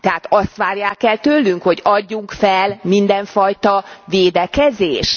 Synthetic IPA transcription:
t̪ɛɦaːt̪ɒst̪ʋaːrjaːkɛlt̪ølːyŋkho̞ɟɒɟːuŋkfɛlmind̪ɛɱfɒjt̪ɒveːd̪ɛkɛzeːʃ

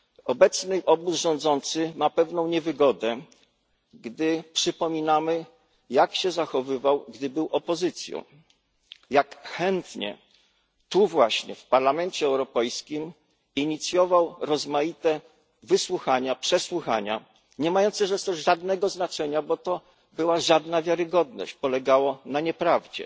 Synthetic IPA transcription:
ɔbɛt̪snɘʔɔbusʐɔ̃nd̪zɔnt̪sɘmapɛvnɔ̃w̃ɲɛvɘɡɔd̪ɛ | ɡd̪ɘpʂɘpɔmʲinamɘ | jakɕɛzaxɔvɘvawɡd̪ɘbɘwʔɔpɔzɘt̪sʲjɔ̰̃w̃ | jakxɛnt̪ɲɛ̰ | t̪uvwaɕɲɛ̰fpaɾlamɛnt͡ɕɛːwɾɔpɛjskʲim | iɲit̪sʲjɔvawɾɔzmajit̪ɛ | vɘswuxaɲapʂɛswuxaɲa̰ | ɲɛmajɔnt̪sɛʐɛst̪ɔʐad̪nɛɡɔznat͡ʂɛɲabɔt̪ɔ | bɘwaʐad̪navʲjaɾɘɡɔd̪nɔ̰ɕt͡ɕpɔlɛɡawɔnaɲɛpɾavd͡ʑɛ̰

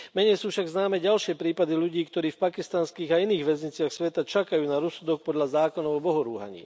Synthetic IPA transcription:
mɛɲɛjsuːfʃaɡznaːmɛɟalʃɪɛpɾiːpad̪iʎuɟiːkt̪ɔɾiːfpakist̪anskiːɣainiːɣʋɛzɲit͡sɪaxsʋɛt̪at͡ʃakajuːnaɾɔsud̪ɔk̚pɔd̪ʎazaːkɔnɔʊɔbɔɦɔɾuːɦa̰ɲḭː

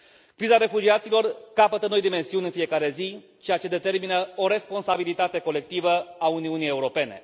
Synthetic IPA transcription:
kɾizaɾe̞fud͡ʒiat̪silo̞rkapət̪əno̞jd̪ime̞nsiunʲɨnfije̞kaɾe̞zi | t͡ʃejat͡ʃe̞d̪e̞t̪e̞rminəo̞ɾe̞spo̞nsabilit̪at̪e̞ko̞le̞k̚t̪ivəauniunije̞uɾo̞pe̞ne̞

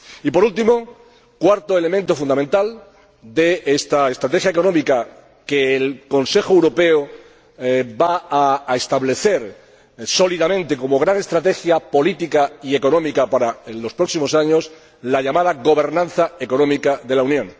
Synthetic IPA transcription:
ipo̞ɾult̪imo̞ | kwaɾt̪oe̞le̞mẽnt̪o̞fũnd̪ament̪al | d̪e̞est̪aest̪ɾat̪e̞xjaeko̞nõmika | keːlko̞nse̞xoewɾo̞pe̞o | baaːest̪aβle̞θe̞ɾ | so̞liðamẽnt̪e̞ko̞mo̞ɣɾaŋe̞st̪ɾat̪e̞xjapo̞lit̪ikaie̞ko̞nõ̞mikapaɾalo̞spɾo̞ksimo̞saɲo̞s | laʎamaðaɣo̞βe̞ɾnãn̟θaeko̞nõ̞mikaðe̞launjõ̞ŋ

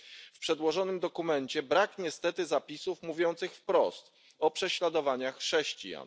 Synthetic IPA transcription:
fpʂɛd̪wɔʐɔnɘmd̪ɔkumɛnt͡ɕɛbɾakɲɛst̪ɛt̪ɘzapʲisufmuvʲjɔnt̪sɘxfpɾɔst̪ | ɔpʂɛɕlad̪ɔvaɲaxʂɛɕt͡ɕḭja̰n

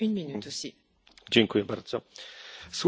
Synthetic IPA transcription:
ynminyt̪osi | d͡ʑɛŋkujɛbaɾd̪zɔ | sw

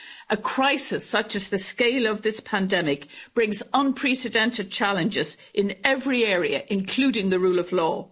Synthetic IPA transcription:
ʔəkʰɹ̥aɪsɪsʌt͡ʃəzðəskeɪləvðɪspʰãndɛmɪkb̥ɹɪ̃ŋzə̃npʰɹ̥ɛsɪdɛ̃ntɪd̚t͡ʃʰalɨ̃nd͡ʒɪz | ʔɪ̃nɛvɹiɛːɹiə̰ʔɪ̃nkʰl̥ʉːdɪ̃ŋðəɹuːləvlɔː

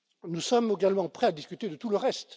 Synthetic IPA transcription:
nusɔmeɡalmɑ̃pχɛad̪iskʲyt̪ed̪ət̪uləʁɛst̪

